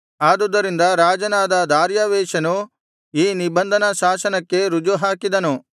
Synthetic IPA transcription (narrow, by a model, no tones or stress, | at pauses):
aːd̪ud̪ɐɾind̪ɐɾaːd͡ʒɐnaːd̪ɐd̪aːɾjaʋɛːʃɐnu | iːnibɐnd̪ʱɐnɐʃaːʃɐnɐkːe̞ɾud͡ʒuɦaːkid̪ɐnu